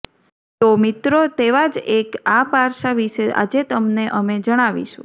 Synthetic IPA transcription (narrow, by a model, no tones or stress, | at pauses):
t̪omit̪ɾot̪eʋad͡ʒekapaɾʃaʋiʃea̰d͡ʒet̪əmneʔəmed͡ʒəɽ̃aʋḭʃṵ̃